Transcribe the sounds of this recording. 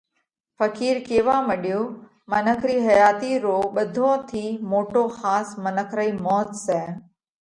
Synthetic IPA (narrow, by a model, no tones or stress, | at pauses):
fəkiːɾkeːʋãːməɗjoː | mənəkʰɾiːɦəjaːt̪iːɾoːɓəd̪ʱõːt̪ʰiːmoːʈoːhaːsmənəkʰɾəiːmɔːt̪sɛː